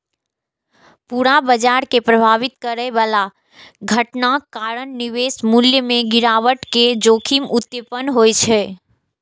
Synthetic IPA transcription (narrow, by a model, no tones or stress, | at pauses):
puɾabəd͡ʒaɾkepɾəbʱaʋit̪kəɾɛʋala | ɡʱəʈnakaɾənniʋesmuljəmẽɡiɾaʋəʈked͡ʒoːkʰimut̪ːjəpənɦojt͡ʃʰɛ